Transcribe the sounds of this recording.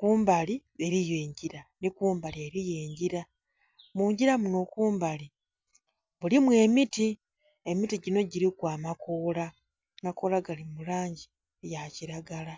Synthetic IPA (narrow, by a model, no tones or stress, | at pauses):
kuːmbalieɾijeːɲɟiɾanikuːmbalieɾije̞ːɲɟiɾa | muːɲɟiɾamuno̞kuːmbali | βulimwe̞ːmiti | e̞mitiɟino̞ɟiɾikwaːmakoːla | mako̞ːlaɡalimulaːɲɟi | ejaciɾaɡala